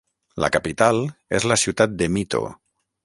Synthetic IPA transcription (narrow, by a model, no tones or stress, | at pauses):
la̰kapit̪alezlasiut̪at̪̚d̪emit̪o̰